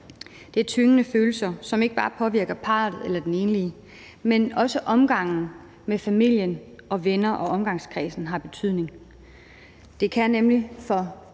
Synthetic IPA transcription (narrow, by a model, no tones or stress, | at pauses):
d̥e̝æɐt͡sʰyŋənəføːl̩sɐsɒ̽me̝ɡ̥əb̥ɑ̈ːpʰɒ̽ʋiɐɡ̥ɐpʰɑ̰̈ːð̩ˠelɐd̥ene̝ːnliə | menɒ̽səʔɒ̽mɡ̥ɑ̈ŋ̰n̩ | mefæmil̰jənʔɒ̽ʋenɐʔɒ̽ɒ̽mɡ̥ɑ̈ŋskʰʁɛ̰ːsn̩ɦɑ̈b̥e̝t͡sʰyð̰ˠne̝ŋ | d̥e̝kʰænemlifɒ̽